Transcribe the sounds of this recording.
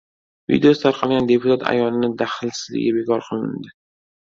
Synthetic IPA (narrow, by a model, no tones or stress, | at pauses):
vḭd̪eosɪt̪ʰaɾqʰɑlˠɡʲand̪epʰʊt̪ʰat̪ʰa̰jɒnɪnɪd̪aχɪlsɪzlɪ̰ɡʲɪbe̞kʰɒɾqʰɨlˠɪ̰nd̪ɪ